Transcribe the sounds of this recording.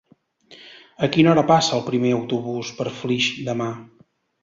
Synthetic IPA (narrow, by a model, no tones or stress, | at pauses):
əkinɔɾəpasəːlˠpɾimeəwt̪uβuspəɾfliʃd̪əma